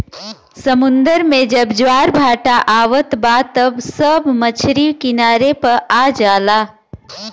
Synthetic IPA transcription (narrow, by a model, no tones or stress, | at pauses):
səmʊ̃nd̪əɾmẽd͡ʒɐbd͡ʒwaːɾbʱaːʈaʔaːʋət̪baːt̪ɐbsəbmɐt͡ʃʰɾiːʋkɪnaːɾepɐɾaːd͡ʒaːlaː